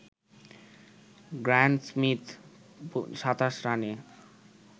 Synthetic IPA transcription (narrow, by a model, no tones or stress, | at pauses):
ɡɾaɳɖsmit̪ | ʃat̪aʃɾane